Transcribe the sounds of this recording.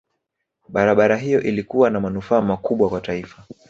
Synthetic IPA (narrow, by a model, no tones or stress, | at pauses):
ɓaɾaɓaɾaɦijɔʔilikuwanamanufaːmakuɓwakwataifa